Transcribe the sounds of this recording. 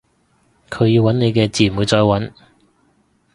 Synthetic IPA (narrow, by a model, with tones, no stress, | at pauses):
kʰɵ˨˧ɥjiː˧wɐ˨˥ne˨˧jkɛː˧t͡siː˨˩˨u˨˧t͡sɔː˧jwɐ˨˥n